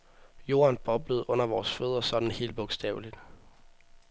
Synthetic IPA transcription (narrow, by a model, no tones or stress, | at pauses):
jo̝̰ːɐnb̥ɒ̽b̥ləð̩ˠʔɔ̽n̰ɐʋɒːsføð̞ˠʁɐsɒ̽d̥n̩he̝̰ːld̥̚b̥ɔ̽ɡ̥sd̥ɛ̰ːʊlid̥